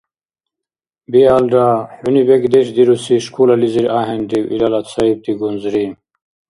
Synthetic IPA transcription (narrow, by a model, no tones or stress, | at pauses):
bialɖaħunibekd̪eɕd̪iɾusiʃkulaliziɾaːɦend̪iwʔḭlalat̪saib̚t̪iɡunzɾi